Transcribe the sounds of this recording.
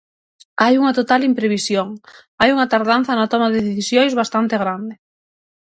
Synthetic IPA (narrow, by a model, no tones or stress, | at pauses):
ajuŋɐt̪ot̪alimpɾeβisjoŋ | ajuŋɐt̪aɾðan̟θɐnɐt̪ɔmaðɪðeθisjojzβast̪ant̪eɣɾand̪ɪ